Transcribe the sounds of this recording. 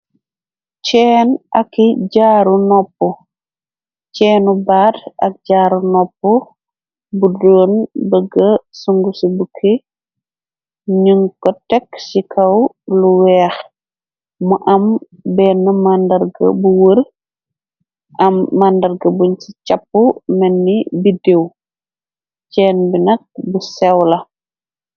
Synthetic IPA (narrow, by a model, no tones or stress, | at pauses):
t͡ʃɛːnɐkːiɟaːɾunɔpːɔ | t͡ʃɛːnubaːdʔɐ̰k̚ɟaːɾunɔpːɔ | budoːnbəɡɐsuŋɡusubukʰi | ɲuŋkɔtɛksikʰɐw | luwɛːx | muʔɐm | bɛːnːɐmandɐɾɡɐ̰buwər | ʔɐmːandɐrɡɐbuɲt͡ʃicɐpːumɛnːibidew | cɛːnbinɐk̚busɛwlɐ